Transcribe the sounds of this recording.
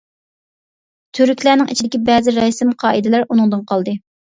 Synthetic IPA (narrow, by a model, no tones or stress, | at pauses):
t̪ʰyɾykʲlænɪŋit͡ʃʰid̪ɪkʲibɛːzɪɾɛsɪmqʰɑːʔid̪ɪlæɾʔunɨŋd̪ɨnqʰɑlˠd̪ɨ